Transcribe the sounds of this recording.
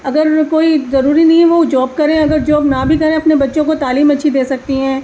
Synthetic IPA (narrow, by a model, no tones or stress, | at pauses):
ɐɡəɾkoːizɐɾuːɾinɐɦĩʋod͡ʒɔːb̚kɐɾẽɐɡəɾd͡ʒɔːbnabʱikɐɾẽɐpnebɐtːʃõkot̪aːliːmɐtːʃʰid̪eːsɐk̚t̪iɦɛ̃ː